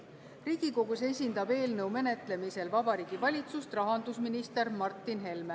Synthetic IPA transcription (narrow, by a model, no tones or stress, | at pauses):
riːɡ̥iko̞ɡuse̞sʲind̪̥ɑbe̞ːlnɤ̞wme̞net̪le̞mise̞lvɑbɑɾiːɡ̥ivɑlʲit̪sust̪rɑɦɑnd̪usminist̪e̞ɾmɑrt̪ːˑinɦe̞lme